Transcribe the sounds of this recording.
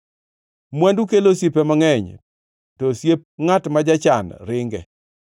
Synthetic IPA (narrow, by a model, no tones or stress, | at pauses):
mwandukelosipemaŋɛɲ | tɔsjep̚ŋatmad͡ʒat͡ʃanɾɪŋɡɛ̰